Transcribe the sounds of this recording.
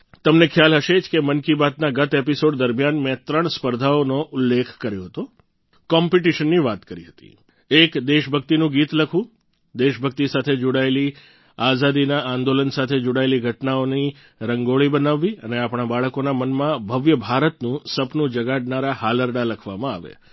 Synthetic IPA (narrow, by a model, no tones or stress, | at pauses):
t̪əmnekʰjalɦəʃed͡ʒkemənkibat̪̚naɡət̪episoɖd̪əɾmijanmɛ̃t̪ɾəɳspəɾd̪ʱaonoʔʊlːekʰkəɾjoɦət̪o | kɔmpiʈiʃənːiʋat̪kəɾiɦət̪ḭ | ekd̪eʃbʱək̚t̪inũɡiːt̪ləkʰʋũ | d̪eʃbʱək̚t̪isat̪ʰed͡ʒoɽaeli | azad̪inaʔãnd̪olənsat̪ʰed͡ʒoɽaeliɡʱəʈnaoni | ɾəŋɡoɭibənaʋːiəneapɳ̃abaɭəkonamənmãbʱəʋjəbʱaɾət̪nũsəpnũd͡ʒəɡaɖnaɾahaləɾɖaləkʰʋamãa̰ʋḛ